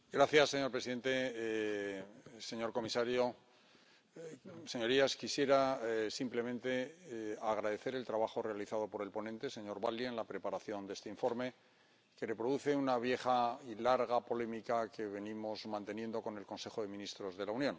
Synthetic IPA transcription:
ɡɾaθjasːeɲo̞ɾpɾesiðe̞nt̪e̞ | seɲo̞ɾko̞misaɾjo̞ | seɲo̞ɾiaskisje̞ɾasimple̞mẽ̞nt̪e̞aɣ̞ɾaðe̞θe̞ɾe̞lt̪ɾaβaxore̞aliθað̞o̞po̞ɾe̞lpo̞nẽnt̪e̞se̞ɲo̞ɾβalienlapɾe̞paɾaθjo̞nd̪e̞st̪eiɱfo̞ɾme̞ | kelepɾo̞ðuθe̞unaβ̞je̞χailaɾɣapo̞le̞mikake̞βe̞nimo̞zmãnt̪e̞nje̞nd̪o̞ko̞ne̞lko̞nse̞xo̞ðe̞mĩnist̪ɾo̞zðe̞launjõn

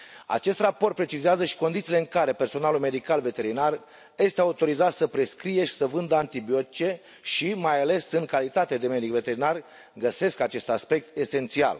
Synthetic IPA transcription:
a̰t͡ʃe̞st̪rapo̞rt̪pɾe̞t͡ʃizeazəʃi̥ko̞nd̪it̪ile̞ɨŋkaɾe̞perso̞nalulme̞d̪ikalve̞t̪e̞ɾinar | je̞st̪eaut̪o̞ɾizat̪səpɾe̞skɾije̞ʃi̥səvɨnd̪əant̪ibio̞t̪i̥t͡ʃe̞ | ʃimajale̞sɨŋkalit̪at̪ead̪e̞med̪ikve̞t̪e̞ɾinar | ɡəse̞skat͡ʃe̞st̪aspe̞k̚t̪e̞se̞nt̪sia̰l

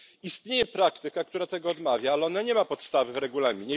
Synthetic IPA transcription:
ist̪ɲejɛpɾakt̪ɘkakt̪uɾat̪ɛɡɔɔd̪mavʲjaalɛɔnaɲɛmapɔt̪st̪avɘvɾɛɡulamʲiɲɛ

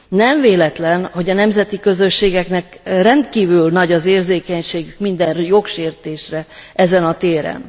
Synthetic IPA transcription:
nɛɱveːlɛt̪lɛnho̞ɟɒnɛmzɛt̪ikø̞zø̞ʃːeːɡɛknɛkrɛnt̪kiːvylnɒɟɒzeːrzeːkɛɲʃeːɡykmind̪ɛnjo̞kʃeːrt̪eːʃrɛɛzɛnɒt̪eːɾɛ̰n

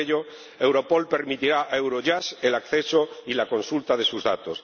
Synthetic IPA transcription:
eʎo | ewɾo̞po̞lpe̞ɾmit̪iɾaʔewɾoʝaselakθesoilako̞nsult̪að̞e̞suzðat̪os

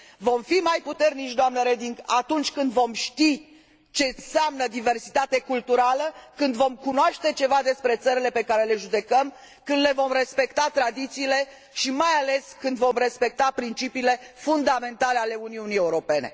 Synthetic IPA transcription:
vo̞mfimajput̪e̞rnit͡ʃʲd̪oamnəɾed̪iŋɡat̪unt͡ʃʲkɨnd̪vo̞mʃt̪i | t͡ʃe̞ɨnseamnəd̪ive̞rsit̪at̪ekult̪uɾaləkɨnd̪vo̞mkunoaʃt̪e̞t͡ʃe̞vad̪e̞spɾe̞t̪səɾile̞pe̞kaɾe̞le̞ʒud̪e̞kəm | kɨnd̪le̞vo̞mre̞spe̞kt̪at̪ɾad̪it̪siːle̞ | ʃimajale̞skɨnd̪vo̞mre̞spe̞k̚t̪apɾint͡ʃipiːle̞fund̪ame̞nt̪aleale̞uniunie̞uɾo̞pe̞ne̞̰

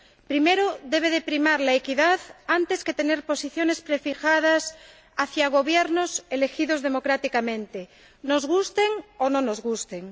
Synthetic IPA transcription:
pɾime̞ɾoðe̞β̞eðepɾimaɾlaekiðaðant̪e̞sket̪e̞neɾpo̞siθjone̞spɾefixað̞as | aθjaɣ̞o̞βjeɾnosele̞xiðo̞zð̞e̞mo̞kɾat̪ikamẽnt̪e | no̞zɣust̪eŋonõnozɣust̪eŋ

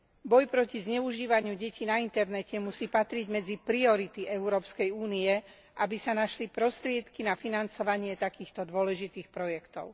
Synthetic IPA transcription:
bɔjpɾɔcizɲɛuʒiːʋaɲɪuɟɛciːnaint̪ɛɾnɛcɛmusiːpat̪ɾiɟmɛd͡zipɾiɔɾit̪iʔɛʊɾɔːpskɛjuːniɛ | ʔabisanaʃlipɾɔst̪ɾɪɛt̪kinafinant͡sɔʋaɲɪɛt̪akiːxt̪ɔd̪ʊɔlɛʒit̪iːxpɾɔjɛkt̪ɔ̰ʊ

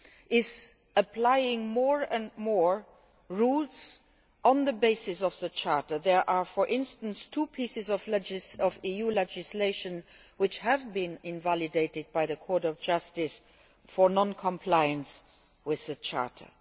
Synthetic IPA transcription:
ʔɪz | əpʰlaɪɪ̃ŋmɔɹə̃nmɔɹ | ɹults | ə̃nðəbeɪsɪsɔvðət͡ʃʰɑɹtə˞ðɛɹʔaːfɔɹʔɪ̃nstə̃nstʰuːpʰisɪzɔvlɛd͡ʒɪsɔvijuːlɛd͡ʒɪsleɪʃə̃n | wɪt͡ʃhɛvbĩnɪ̃nvælideɪtɪd̚baɪðəkʰɔɹtɔfd͡ʒʌstɪs | fɔnɔ̃nkʰɔ̃mpʰlaɪə̃ns | wɪðət͡ʃʰa̰ɹtʰə̰˞

